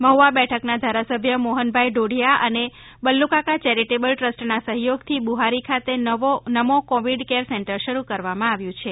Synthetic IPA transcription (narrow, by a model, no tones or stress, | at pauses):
məɦuʋabɛʈʰəknad̪ʱaɾasəbʱjəmoɦənbʱajɖoɽ̤ʱijaʔəne | bəlːukakat͡ʃɛɾiʈebəlʈɾəsʈnasəɦjoɡt̪ʰibuɦaɾikʰat̪eonəmokoʋiɖkeɾsɛɳʈəɾʃəɾukəɾʋamãaʋjũt͡ʃʰe